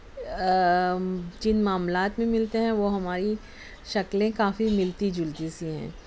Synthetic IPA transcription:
d͡ʒɪnmaːmlaːt̪mẽmɪlt̪eɦɛ̃ʋoɦɐmaːɾi | ʃɐklẽkaːfimɪlt̪id͡ʒʊld̪isiɦɛ̰̃ː

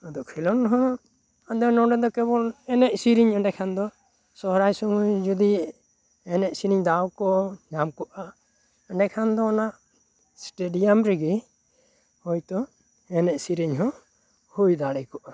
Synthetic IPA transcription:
ɔd̪ɔʔkʰilɔnɾɔɦɔnɔ | ad̪ɔnɔɖɛd̪ɔkɛβɔlɛnɛʔsiɾiɲəɳɛkʰand̪ɔ | sɔɦɾajsɔmujd͡ʒud̪i | ɛnɛʔsiɾiɲd̪awkɔɲamkɔʔa | əɳɖɛkʰand̪ɔːnaʔ | sʈeɖijamɾɛɡi | hɔjt̪ɔ | ɛnɛʔsiɾiɲɦɔ̃ | hujd̪aɽɛkɔʔa

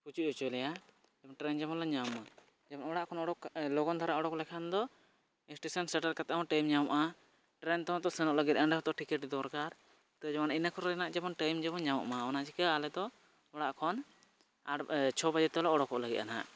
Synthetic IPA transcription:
pʰut͡ʃuʔɔt͡ʃɛlɛja | d͡ʒɛbɔnʈɾɛnd͡ʒɛmɔnlaɲama | d͡ʒɛbɔnɔɽaʔkʰɔnɔɽɔklɔɡɔnt̪ʰaɾaʔɔɽɔklɛkʰand̪ɔ | isʈesɔnsɛʈaɾkat̪aamaʈajmɲawɔʔa | ʈɾɛnt̪ɔɔ̃t̪ɔsɛnɔʔləɡit̪̚anɖɛɦɔ̃t̪ɔʈikɛʈd̪ɔɾkaɾ | t̪ɔd͡ʒamɔninakʰɔɾɛanaʔd͡ʒabɔnʈajmd͡ʒɛbɔnɲawɔ̰ʔmaɔnat͡ʃʰikəalɛd̪ɔ | ɔɽaʔkʰɔn | at͡ʃʰɔbad͡ʒɛt̪laʔɔɽɔkɔʔləɡit̪̚ana̰ʔ

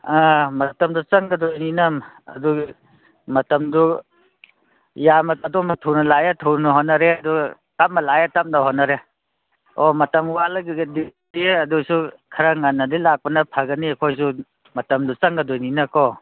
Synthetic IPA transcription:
amɐtɐmdut͡ʃɐŋɡɐdojninɐmɐ̰du | mɐtɐmdu | jamɐɐdɔmɐtʰuwnɐlajetʰunɐɦɔnɐɾeɐdu | tap̚mɐlajetap̚naɦɔnɐɾe | ɔmɐtɐmwalɐɡiɡdi | diɐdusukʰɐɾaŋanːɐdilak̚pɐnɐpʰaɡɐniɐkʰojs̬u | mɐtɐmdut͡sɐŋɡadojninɐkɔ

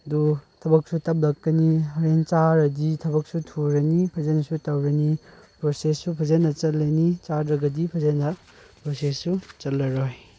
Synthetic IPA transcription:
dutʰɐbɐk̚sutɐp̚lɐkːɐniɦɐɾent͡ʃaɾɐditʰɐbɐk̚sutʰuɾɐnipʰɐzenɐsutɐwɾɐni | pɾosesːupʰɐzenɐt͡ʃɐlːɐnit͡ʃadɾɐɡɐdipʰɐzenɐ | pɾosesːut͡ʃɐlːɐɾoj

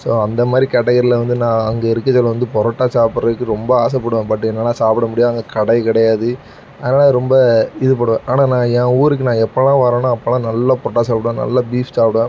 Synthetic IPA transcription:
soːɐnd̪ɐmaːd̪ɾikɐɽɐɣɐɾɪlɐʋɐnd̪ɯnãːɐŋɡɐɪɾɯkːɐt͡ʃɐlːɐʋɐnd̪ɯpɔɾɐʈːaːsaːpɯɾɐɯkːɯɾɔmbɐaːs̬ɐpːɐɽɯʋẽːpɐʈːɯɛnːɐlːaːsaːpɪɽɐmʊɽɪjaːɐŋɡɐkɐɽɐɪkɪɽɐjaːðɯ | ɐðɐnaːlɾɔmbɐɪðɯp̬ɐɽɯʋẽʔaːnaːnãːɛ̃ːuːɾɯkːɯnãːɛpːɐlãːʋɐɾẽːnãɐpːɐlãːnɐlːapɔɐʈːaːsaːpɪɽɯʋẽnɐ̰lːabiːfsaːpɪɽẽ

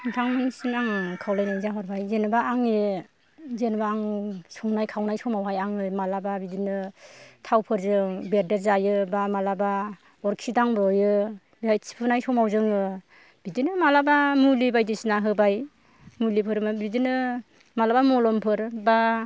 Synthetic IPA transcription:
tʰaŋmɯnisinaŋkʰawlajnajzaɦɔɾbajzenbaːŋe | zenbaːŋsɔŋnajkʰawnajsɔmawɦajaŋɯmalababidinɯtʰawpʰɯɾzɯŋbeɾdeɾzajɯbamalaba | ɔɾkʰidaŋbɾɔjɯ | bajsʰi̥pʰɯnajsɔmawzɯŋɯ | b̥idinɯmalabamulibajdisnaɦɯbaj | mulipʰɯɾmabidinɯ | malabamɔlɔmpʰɯɾba

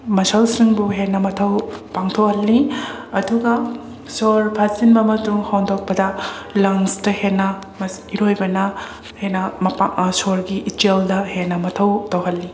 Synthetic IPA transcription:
mɐsɐwsiŋbuɦenːɐmɐtʰɐwpaŋtʰok̚hɐlːiɐduɡɐ | soɾpʰazinmɐmɐtɾuŋhawndok̚pɐdɐlɐŋstɐhenːɐ | mɐsiɾojbɐnɐ | henːɐmpasoɾɡiʔiteldɐhenːɐmɐtʰɐwtɐwɦɐlːi

